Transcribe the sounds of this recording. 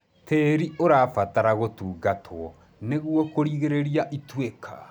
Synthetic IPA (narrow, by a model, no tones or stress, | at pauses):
teːɾiʔoɾaːfataɾaɣotuːɡatʰwɔ | neɣwɔkoɾiɣeɾeɾiaʔitwekʰa